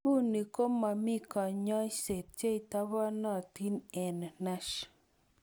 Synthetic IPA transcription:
u˦ni˨ko˦ma˨mi˦kɔ˨ɲɔ˦se˨t̪̚t͡ʃe˦i˨t̪a˦βa˦nɔ˦˨t̪i˦nɛ˨n˨na˦ʃ

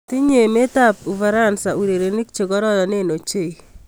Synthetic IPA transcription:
t̪i˦ɲe˨me˦t̪a˦pu˨va˨ɾa˦˨nsa˨u˨ɾe˨ɾe˨nɪ˦k̚t͡ʃe˨ɡɔ˦ɾɔ˦ðɔ˨ne˦no˨t͡ʃe˦i˨

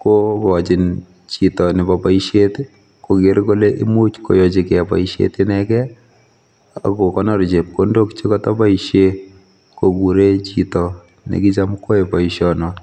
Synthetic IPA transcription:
kokɔt͡ʃɪ˨n | t͡ʃi˨tɔ˨nɪ˨papaiʃje˦t | ko˨ɡe˨ɾko˦leʔi˦mu˦t͡ʃko̰˨jɔ˨t͡ʃɪkɛ˨pa̰˨iʃḛtɪnɛkɛ˦ | a̰˨ko˨kɔ˦nɔ˦ɾt͡ʃe˨p̚kondo˦kt͡ʃe˦kɔtɔ˦pa˦iʃje˦ | koɡu˨ɾe˦t͡ʃitɔ | nḛki˦t͡ʃa˦mko˦epa˨iʃɔnɔ

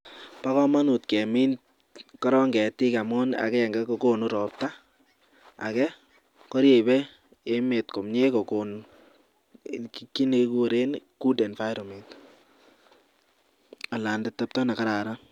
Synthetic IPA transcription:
pa˦kɔ˦ma˦nu˨tkɛ˨mi˦nt | kɔ˦ɾɔ˦ŋɡɛ˨ti˦ka˨mʊ˦na̰˨kɛ˦jɛ˨ŋɡɛ˦ko˨ko˦nu˦ɾɔ˨p̚ta˦ | a̰˨kɛ˦ | kɔ˦ɾje˨bɛ˦ | e˦me˨tko˨mɲe˦kɔ˨ko˨n | kikːi˦ne˧ku˦ɾe˦nku˦dɛ˨nfa˦jɾo˨met | a˨la˨nde˦tːɛ˦p̚tɔ˦na˨ka˦ɾa˨ɾa˦

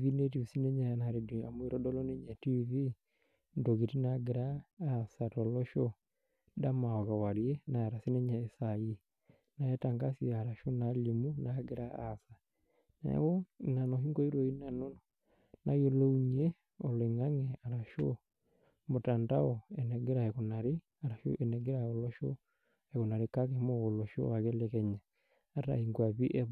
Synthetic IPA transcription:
ði˦ne˦t̬i˨u˨si˦nɛ˦ɲa˨naɾe˨di˨a̰˨m˦˨e˨ɾɔ˦dɔ˦lɔ˦ne˦ɲɛ˨ti˦βi˦ | ndo˨ɣe˨ti˦naɡeɾaː˦sa˨tɔ˨lɔ˦ʃɔ˦ | da˦ma˨ɔ˨ɣa˨wa˨ɾie˦na˨a˨ɾa˨si˦nɛ˦ɲa˨e˦sai˦ | na˨ɛ˦ta˨ŋɡa˦sia˨ɾa˨ʃo˦nali˨mu˦na˦ɡe˦ɾa˦a˦sa˨ | na̰˨ɛ̰˦wɔ˦na˨nɔ˨ɦi˦ŋɡɔ˦i˦ɾo˨i˦na˨no˦nɔ | na˨jo˨lo˦u˦ɲiɛ˦ | ɔ˨le˨ŋa˦ŋɛ˨a˨ɾa˨ʃo˦ | mo˨ta˨nda˦ɔ˨ɛ˨nɛ˨ɡe˦ɾa˨ɛɣona˨ɾe˦ | a˨ɾa˨ʃo̰˦ʔɛ˨nɛ˨ɡe˦ɾa˨o˨lɔ˦ʃɔ̰˦ | ɛ˨ɣo˨na˨ɾe˨ka˦ke˨mo˦ɣo˨lɔ˨ʃɔ̰˦a˨ɣe˦lɛkɛ˦ɲaː˨˦ | ta̰˨i˨ŋɡwa˨βi˦ʔɛ˦β

